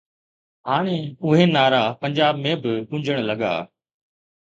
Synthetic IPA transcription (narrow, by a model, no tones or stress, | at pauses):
ɦaːɽ̃ẽːʊɦeːnaːɾaːpəɲd͡ʑaːbmẽːbɪʊ̃ɲd͡ʒəɽ̃ləɠa̰ː